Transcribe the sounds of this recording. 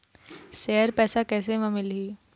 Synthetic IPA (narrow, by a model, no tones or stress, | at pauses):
sɛːəɾpɛːsakɛːseʋɐ̃mɪlɦiː